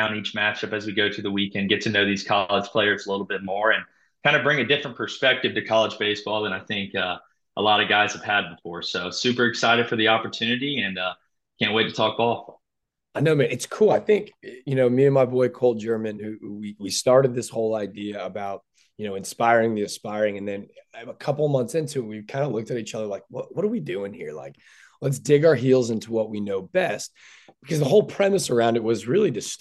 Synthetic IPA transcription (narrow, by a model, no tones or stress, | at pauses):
ãʊ̃nit͡ʃmæt͡ʃʌpɨzwiɡoʊɾɨðəwikɛ̃nɡɛtʰɨnoʊðiz̥kʰɑlˠə̥ʒ̥pʰl̥eɪə˞zəlɪɾl̩ˠbɪt̚mɔɹɨ̃n | kʰãɪ̃ndɨbɹɪ̃ŋɨdɪfɹə̃npʰə˞spɛk̚tɨv̥tɨkʰɑlˠəd͡ʒbeɪsb̥ɔlˠə̃ñaɪθɪ̃ŋkʌ | ʔə̰lɑɾʌɡaɪz̥ɨv̥ɨd̚bəfɔɹsoʊsʉpə˞ɨksaɪɾɨd̥fə˞ðiɑpə˞tʰʉnɨɾiɨ̃nʌ | kʰæ̃nʔweɪtʰɨ̥tʰɔk̚b̥ɔlˠf | aɪnoʊmæ̃nɨtskʰulˠaɪθɪ̃ŋkjɨnoʊmiɨ̃nmaɪbɔɪkʰoʊlˠd̚d͡ʒɜ˞mɨ̃nhʉwiwistɑɹɾɨd̪̚ðɪshoʊlˠaɪdiɨəbaʊt̚ | jɨnoʊɨ̃nspaɪɹɪ̃ŋðiɨ̃nspaɪɹɪ̃ŋɨ̃nðɨ̃nəkʰʌpl̩ˠmʌ̃nθsɪ̃ntʰʉwiv̥kʰãɪ̃ndəlʊk̚tɨɾit͡ʃʌðə˞laɪk̚wʌt̚wʌɾə˞widʉɪ̃ŋhiɹla̰ɪk | lətsd̥ɪɡaə˞ɦilˠzɪ̃ntʰuwʌt̚winoʊbɛst̚ | b̥ɨkʰʌzðəɦoʊlˠpʰɹ̥ɛmɨsə˞ãʊ̃ndɨt̚wʌzɹɪlˠiɾɨs